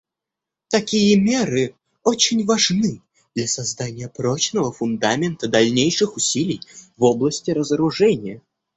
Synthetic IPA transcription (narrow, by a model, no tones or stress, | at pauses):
t̪ɐkʲijəmʲe̞ɾɨ | ot͡ɕɪnʲvɐʐnɨ | d̪lʲasɐzd̪anʲɪjəpɾot͡ɕnəvəfʊnd̪amʲɪnt̪əd̪ɐlʲnʲejʂɨxʊsʲilʲɪjvoblˠəsʲtʲɪɾəzəɾʊʐɛnʲɪjə